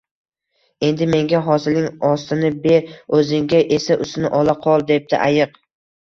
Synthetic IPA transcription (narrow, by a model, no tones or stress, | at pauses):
e̞nd̪ɪme̞ŋɡʲaɦɒsɪlnɪŋɒst̪ɪnɪbe̞ɾɵzɪŋɡʲaʔe̞saʔʊst̪ɪnɪʔɒlˠaqʰɒlˠd̪e̞p̚t̪ɪʔajɨq